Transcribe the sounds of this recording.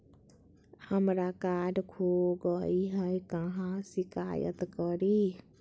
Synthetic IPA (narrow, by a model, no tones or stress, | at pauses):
həmɾakaːɖkʰoɡəiɦɛjkəɦãsɪka̰ːjə̰t̪kəɾi